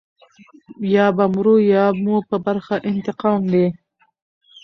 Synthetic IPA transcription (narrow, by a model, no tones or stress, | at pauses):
jɑːbamɾujɑːmupəbaɾxaʔɪnt̪ɪqɑːmd̪e